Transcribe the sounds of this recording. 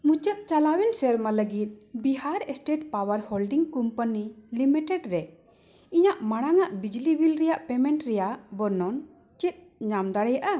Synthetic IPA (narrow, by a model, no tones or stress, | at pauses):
mut͡ʃət̪̚t͡ʃalawɛnsɛɾmaləɡit̪̚ˀbiɦaɾɛsʈeʈpawəɾholɖiŋkɔmpənilimiʈɛɖɾɛ | iɲaʔmaɽ̃aŋaʔbid͡ʒlibilɾɛjaʔpɛmɛɳʈɾɛjaʔbɔnɔn | t͡ʃit̪̚ˀ | ɲamd̪aɽɛjaʔa